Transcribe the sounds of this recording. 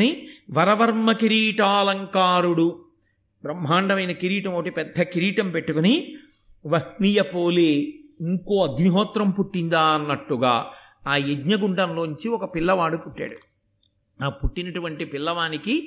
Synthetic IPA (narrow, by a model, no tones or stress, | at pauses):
niʋɐɾɐʋɐɾmɐkiɾiːʈaːlɐŋkaːɾuɽu | bɾɐmːɦaːɳɖɐmɐjnɐkiɾiːʈɐmɐɐʈipɛd̪ʱːɐkiɾiːʈɐmpe̞ʈːukuni | ʋɐhniːjɐpoːleːiŋkoːɐɡniɦɔːt̪ɾɐmpuʈːind̪aːɐnːɐʈːuɡa̰ː | aːeɡɲɐɡuɳɖɐnloːɲt͡ʃiɔkɐpilːɐʋaːɽupuʈːa̰ːɽu | aːpuʈːinɐʈuʋɐɳʈipilːɐʋaːniki